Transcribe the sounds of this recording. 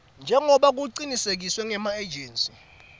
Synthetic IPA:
nd͡ʒʱɛŋɔɓak̬uǃinisek̬iswɛŋɛmaed͡ʒɛːnsi̥

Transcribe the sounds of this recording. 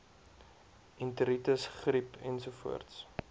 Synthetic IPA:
ʔintəɾitəsχɾipʰɛnsufuərts

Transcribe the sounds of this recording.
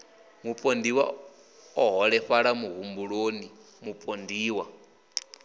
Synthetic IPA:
mupʼondiwa̰ | ɔɦɔɺɛɸaɺamuɦumbuɺoni | mupʼondiːwa

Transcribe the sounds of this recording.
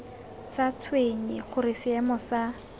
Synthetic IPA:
t͡sat͡sʰweɲiχʊɾɪsɪɛmɔsa

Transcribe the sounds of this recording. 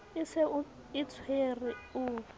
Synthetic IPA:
ɪsɪʊ | ɪt͡sʰwerɪʊ

